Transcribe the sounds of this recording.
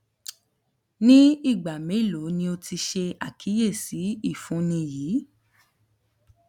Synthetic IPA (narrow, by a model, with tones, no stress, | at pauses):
nĩ˦i˦˨ɡ͡ba˨mẽ˨˦˨lo˨˦nĩ˧o˧ti˧ʃe˧a˦˨kʰi˨˦je˦˨si˨˦i˦˨fũ˨˦nĩ˧jiː˨˦